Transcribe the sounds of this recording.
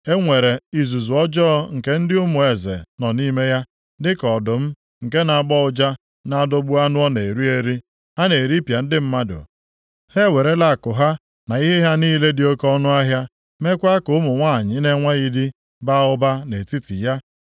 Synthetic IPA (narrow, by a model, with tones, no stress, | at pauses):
e˦ŋʷe˨ɾe˨i˨zu˨zu˨ɔ˦d͡ʒɔ˦ŋ̩˨ke˦n̩˦dɪ˦ʊ˦mʊ˨e˨zḛ˨nɔ˨ni˦me˦ja˦ | dɪ˦kɔ˨dʊ˨m̩˦ | ŋ̩˨ke˦na˨ɡ͡bɔ˦ʊ˦d͡ʒa˦ | na˨dʊ˦ɡ͡bʊ˦a˦nʊ˦ɔ˦ne˨ɾu˦e˦ɾi˦ | ha˦ne˨ɾi˦pja˨n̩˦dɪ˦m̩˦ma˦dʊ̰˨ | he˦we˨ɾe˦la˦˨kʊ˨ɦa˦ | na˨i˦ɦe˦ɦa˦niː˦le˦dɪ˨o˦kɔ˦nʊ˦a˦ɦja˦ | me˦kʷa˦kʊ˦ʊ˦mʊ˨ŋʷa˦˨ɲɪ˨ne˦ŋʷa˦ɣi˦di˦ | ba˦ʊ˦ba˦ne˨ti˦ti˨ja˦